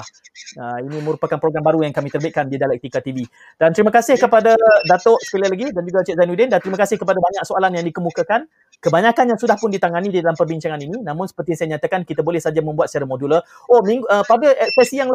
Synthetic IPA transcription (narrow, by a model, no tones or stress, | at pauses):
ah | əinĩməɾupakanpɾoɡɾambaɾujaŋkamit̪ərbɪt̪̚kandidalɛk̚t̪ikat̪ivi | d̥ant̪əɾiməkasɪhkəpadadat̪ɔʔsə̥kəlalaɡidand͡ʒuɡat͡ʃɛt̪zanudɛndant̪əɾimakasɪhkəpadabaɲak̚soalanjaŋdikəmukakan | kəbaɲakanjaŋsudahpʊndit̪aŋanididalampərbiɲt͡ʃaŋanininãmʊnsə̥pərt̪isajaəɲat̪akankit̪abolɛhsad͡ʒamə̃mbuat̪sə̥t͡ʃaɾamodulə | ʔomiŋɡəpabəlʔɛksɛsijaŋ